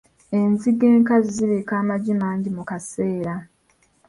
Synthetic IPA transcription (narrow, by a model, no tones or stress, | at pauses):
e̞nziɡeːŋkaziziβekaːmaɟimaːɲɟimukase̞ːɾa